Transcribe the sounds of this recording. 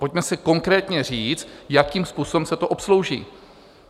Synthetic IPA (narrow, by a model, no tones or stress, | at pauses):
po̞cmɛsɪko̞ŋkɾɛːt̪ɲɛriːt͡st̪jakiːmspuːsobɛmsɛt̪oʔopslo̞wʒḭː